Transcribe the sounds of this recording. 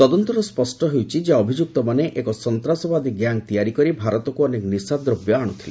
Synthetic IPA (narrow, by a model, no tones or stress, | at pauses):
t̪ɔd̪ɔnt̪ɔɾɔspɔsʈɔɦewt͡ʃʰid͡ʒeaɔbʱid͡ʒuk̚t̪ɔmaneʔekɔsɔnt̪ɾasɔbad̪iɡjaŋt̪ijaɾikɔɾibʱaɾɔt̪ɔkuɔnekɔnisad̪ɾɔbjɔaɽ̃ut̪ʰile